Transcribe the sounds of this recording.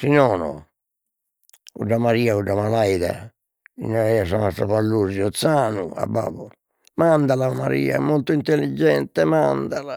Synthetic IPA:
sinɔːnɔ̰ | kuɖamaɾiːauɖːamalajða̰ | ḭnːaɾɛasanast̪ɾapalːuziɔt̪sːaːnua̰bːa̰ːbɔ | mand̪alamaɾḭːa̰ɛmːolt̪oint̪elːid͡ʒːɛnt̪ɛmand̪ala

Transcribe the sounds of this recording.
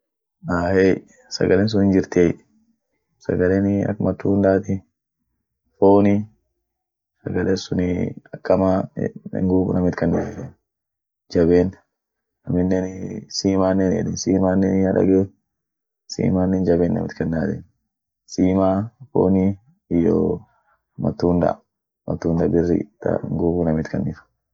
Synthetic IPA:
aːhe | sɐ̰ɡɐlens̬ʊnɪnd͡ʒɪɾt̪eː | sɐ̰ɡɐlenɐ̰kːmɐt̪ːuːnd̪aːt̪ɪ | foːnɪ | sɐɡɐlensʊnɪɐkːɐma̰ːŋɡuːbʊ̰nɐmɪt̪kɐnːadedɛn | d͡ʒɐbeːn | nɐmɪnːɛnsiːmaːnːɛnɛ̰ᶑɪnsiːmaːnːɛːnaᶑɐ̰ɡe | sḭːmaːnːɛnd͡ʒɐbeːnːɐ̰mɪ̰t̪kɐnːaːd̪en | siːmaːfo̰ːni | ɪjo̰ː | mɐ̰t̪ːuːnd̪ɐ̰ | mɐ̰t̪ːuːnd̪ɐbɪrːɪ̰t̪ːɐ̰ŋɡuːɡunɐmɪt̪kʰɐnːɪfʊ̥

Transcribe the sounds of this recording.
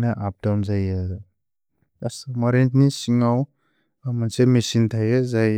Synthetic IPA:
naʔap̚damzaja | asmaɾentnisiŋaw | mansemesintʰajɯzaj

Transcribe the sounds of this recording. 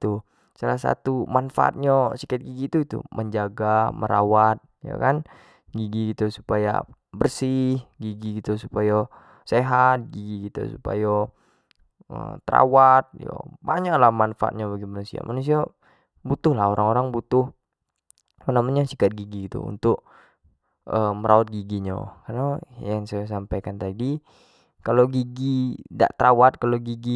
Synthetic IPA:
t̪u | salasa̰t̪umanfa̰a̰t̪̚ɲasikat̪̚ɡiɡit̪uit̪ṵmʔəɲd͡ʒaɡaməɾawat̪̚ja̰kan | ɡiɡiɡit̪usu̥paja̰ | bərsɪhɡiɡiɡit̪usupaja | seɦat̪̚ɡiɡiɡit̪ṵsupa̰ja | ə̰t̪əɾa̰wat̪̚ja̰baɲaklahmanfa̰a̰ɲaβaɡimanusia̰mʔanus̬ia | but̪ʊhlahoɾaŋoɾaŋbut̪ʊh | panamaɲasikat̪̚ɡiɡiɡit̪ṵṵnt̪ʊk̚ | əməɾʔaat̪̚ɡiɡiɲa̰karnajaŋsajas̬ampajkant̪adi | kaloɡiɡida̰ʔt̪ɾawat̪̚kaloɡiɡi

